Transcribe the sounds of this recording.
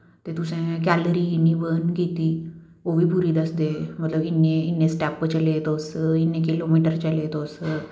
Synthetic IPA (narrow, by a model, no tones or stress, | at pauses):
t̪ẽt̪usẽk̬æləɾiinibənɡit̪i | oʋipuɾiːd̪əsd̪emət̪ləbinːeinːẽsʈæpːət͡ɕəlet̪osəinːekilomiʈəɾt͡ɕəlet̪osə